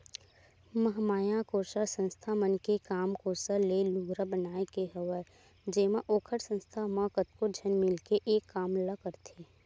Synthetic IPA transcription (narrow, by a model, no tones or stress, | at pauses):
məɦmaːjãkoːɾsəsə̃nst̪ʰamənkekaːmkoːsəleluɡɾəbənaːekeɦəʋə | d͡ʒeːmãʔoːkʰəʈsə̃nst̪ʰamə̃kət̪kod͡ʒʱənmɪlkeʔeːkːaːmləkəɾt̪ʰeː